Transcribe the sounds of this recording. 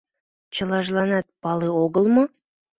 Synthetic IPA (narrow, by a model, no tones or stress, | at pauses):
t͡ʃʰəlˠɑʒlˠɑnɑt̪̚pɑlˠɨoɡəlˠmə